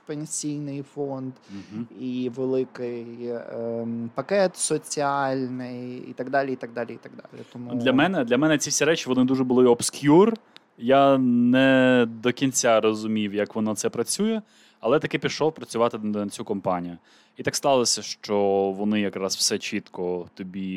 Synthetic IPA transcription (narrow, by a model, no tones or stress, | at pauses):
penʲsʲijnɪjfɔnd̪̩iʋelˠɪkɪj | pɐkɛt̪sɔt͡sʲialʲnɪjḭt̪ɐɡd̪ɑlʲiit̪ɐɡ̚d̪ɑlʲiit̪ɐɡd̪ɑ̰lʲɪ̰t̪ɔmud̪lʲɐmɛnɛd̪lʲɐmɛnɛt͡sʲifsʲiɾɛt͡ʃɪʋɔnɪd̪uʒɛbʊlˠɪɔpskʲjur | janɛd̪ɔkʲinʲt͡sʲarɔzʊmʲiwjɐkʋɔnɔt̪sɛpɾɐt͡sʲujɛ | ɐlˠɛt̪ɐkɪpʲiʃɔwpɾɐt͡sʲʊʋɑt̪ɪnɐt͡sʲukɔmpɑnʲijʊ | it̪ɑkst̪ˠɑlˠɔsʲɐʃt͡ʃɔʋɔnɪjɐkɾɑsw̥sɛt͡ʃit̪kɔt̪ɔbʲi